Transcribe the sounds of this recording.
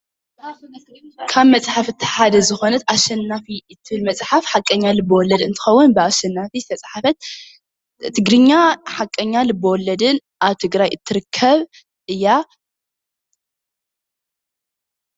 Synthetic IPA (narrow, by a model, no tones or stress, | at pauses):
kʰaβmɐt͡sʼħafɨt̪ʰːħad̪ɐzɨxo̞nɐt̪ʔaʃɛnːafit̪ʰɨhɨlmɐt͡sʼħafħakʼːɐɲːalɨbːɐwɔlːɐd̪ɨnt̪ʰɨ̥xɐwːʊnbɨaʃɐnːafizɨ̥t̪ʰɐt͡sʼħafɐt̪̚ | t̪ʰɨɡɾɨɲːaħakʼːɐɲːalɨbːɐwɔlːɐd̪ɨnʔaβt̪ʰɨɡɾajɨt̪ʰːɨɾɨkʰːɐβ | ʔɨjːa